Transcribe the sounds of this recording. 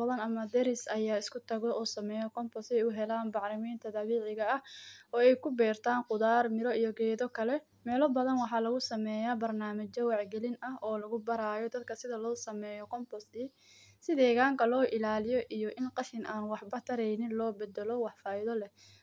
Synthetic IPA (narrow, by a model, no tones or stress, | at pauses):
ɐðɐnɐmɐd̪ɛɾɪsɐjaːɪskʰʊt̪ʰɐɣɔʔɔːsɐmɛːjɔkɔmpɔsɛjʊɦɛlaːnbɑʕɾɪmiːnt̪ʰɐd̪ɐβiːʕɪɣɐɐɔːɛjkʰʊbɛːrt̪ʰaːnqʊðaːrmɪɾɔijɔɡɛːðɔkʰɐlɛ | mɛːlɔbɐðɐnwɑħɑːlɐɣʊsɐmɛːjabɐrnaːmɐt͡ʃɐwɑʕɡɛlɪnʔɐɦʔɔːlɐɣʊbɐɾaːjɔd̪ɐd̪kʰɐsɪðɐlɔːsɐmɛːjɔkʰɔmpɔsi | sɪðɛːɣaːŋkʰɐlɔːʔɪlaːlɪjɔʔijɔʔɪnqɑʃɪnʔaːnwɑħbɐt̪ʰɐɾɛjnɪnlɔːbɛd̪ɛlɔwɑħfaːɪðɔlɛ